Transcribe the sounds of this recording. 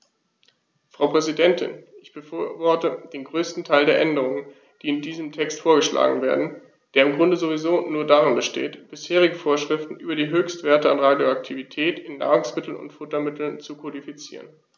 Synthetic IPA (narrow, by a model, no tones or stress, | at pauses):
fʁ̥aʊpʁ̥ɛzidɛntʰɪ̰nʔɪçb̥əfɐvɔɐtəd̥eːnɡʁøːstn̩tʰaɪldeːɐʔɛndəʁ̞ʊŋən | d̥iːɪndiːzəmtʰɛkstfoːɐɡəʃlʔa̰ːɡŋ̩veːɐdn̩ | d̥eːɐɪmɡʁʊndəzovizoːnuːɐdaːʁɪnbəʃtḛːtb̥ɪsheːʁ̞ɪɡəfoːɐʃʁ̥ɪftn̩ʔy̰ːbɐɾiːɦøːçstv̥eːɐtəanʁaːdjoak̚tʰivitʰɛːtɪnːa̰ːʁʊŋsmɪtl̩nʊ̰ntfʊtɐmɪtl̩nt͡sukʰodifit͡sḭːʁ̞ən